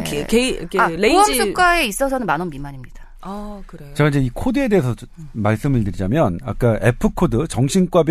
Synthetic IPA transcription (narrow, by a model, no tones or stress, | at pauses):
ekekaeoʌs͈ʰuk͈aeis͈ʌs̬ʰʌnɯnmanʌnbimaɲimɲid̥a | kɯɾet͡ɕeɡaid͡ʑe̞ikʰodɯe̞de̞ːsʰʌmaɭs͈ɯmɯɭtɯɾid͡ʑamjʌna̰k͈aʔe̞pʰɯkʰodɯt͡ɕʌŋɕʰink͈wabj